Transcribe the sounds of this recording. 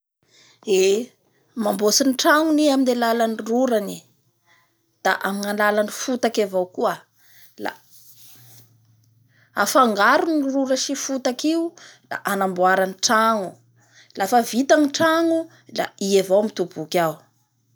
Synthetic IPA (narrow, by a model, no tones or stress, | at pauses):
e | mambosiniʈ͡ʂaŋuniaminelalaniruɾani | d̪̥a̰ʔaminanlalanifut̪akavowkua | la̰ | afaŋɡaɾunruɾəʃifut̪akiula̰ʔanambuaɾanʈ͡ʂaŋu | lafavit̪aŋiʈ͡ʂaŋu | la̰ievowmit̪ubukʲaw